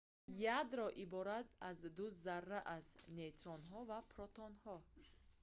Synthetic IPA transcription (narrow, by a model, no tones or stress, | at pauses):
jad̪ɾɔʔibɔɾat̪azd̪uzarːaʔaznet̪ɾɔnɦɔvapʰɾɔt̪ʰɔnhɔ